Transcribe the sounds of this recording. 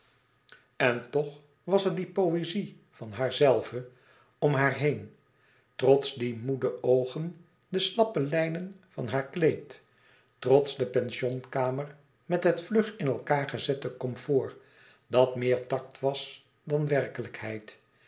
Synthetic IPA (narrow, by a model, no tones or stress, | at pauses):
ɛntɔχ | ʋɑsəɹdipowezi | vɑnɦaːɹzɛlˠvə | ɔmɦaːɹɦejn | trɔtsdimudəowχən | dəslɑpəlɛjnənvɑ̰nɦaːɹklejtː | rɔtsdəpɛnʃɔnkaːmər | mɛtɦətflɵχɪnɛlˠkaːɹχəzɛtəkɔmfʊːɹ | dɑtmɪːɹtɑk̚tʋɑs | dɑnʋɛrkələkhɛjt